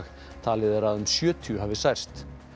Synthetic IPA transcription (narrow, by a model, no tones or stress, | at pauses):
x | t̪ʰaːlɪðaɾaðʏmsjœːt̪ʰʏɦaːvɪsajr̥st̪